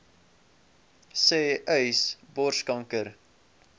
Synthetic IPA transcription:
seːʔœɥsbɔrʃkɐŋkəɾ

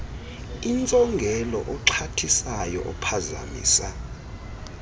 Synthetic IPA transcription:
int͡sʼɔŋɡʱɛlɔ̰ʔɔǃʰatʰisajɔ̰ʔɔpʰaza̰mḭːsa

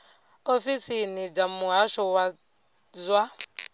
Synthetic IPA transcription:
ofisinid͡ʒamuɦaʃɔwa | zwa

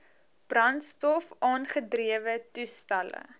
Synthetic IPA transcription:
b̥rɐntstɔfʔɑːnχədriəvətustɐlə̰

